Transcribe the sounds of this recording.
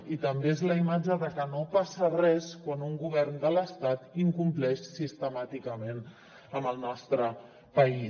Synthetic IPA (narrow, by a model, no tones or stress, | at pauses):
it̪əmbeezləimad͡ʒəðəkənopasərɛskwanuŋɡuβ̞ɛrnd̪ələst̪at̪iŋkumplɛʃsist̪əmat̪ikəmen | əməlˠnɔst̪ɾə | pəi